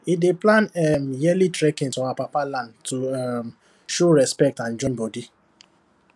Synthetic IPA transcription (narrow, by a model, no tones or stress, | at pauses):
ideplãnɛmjɛlitɾɛkɪ̃ntɔ̃apapalãntum | ʃoɾɛspɛk̚tãnd͡ʒɔ̃nbɔdi